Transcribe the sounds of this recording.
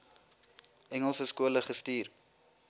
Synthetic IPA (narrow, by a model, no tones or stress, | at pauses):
ʔɛŋəlˠsəskuələχəstiːr